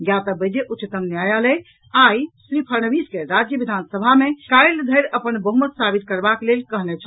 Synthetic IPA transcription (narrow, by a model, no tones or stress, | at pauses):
ɡjat̪əbəd͡ʒeʔut͡ʃt̪əmnjajale | ajsɾipʰəɾñəbiskeɾad͡ʒjəbid̪ʱansəbʱamekajld̪ʱəjɾəpənbəɦumət̪sabit̪̚kəɾbaklelkəɦnɛt͡ʃʰə